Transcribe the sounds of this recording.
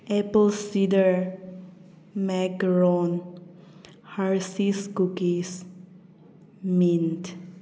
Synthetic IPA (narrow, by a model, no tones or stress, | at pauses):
ʔɛpəlsidəɹ | mɛkɹɔn | haɹsisɡukis | mĩnt